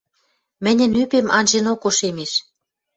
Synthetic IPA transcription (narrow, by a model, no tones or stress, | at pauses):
mɘ̆nʲə̆nypemɑ̰nʲʒenokoʃemeʃ